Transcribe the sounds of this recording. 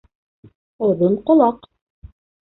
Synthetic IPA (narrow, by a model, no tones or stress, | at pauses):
ŏðɤnqŏlˠɑq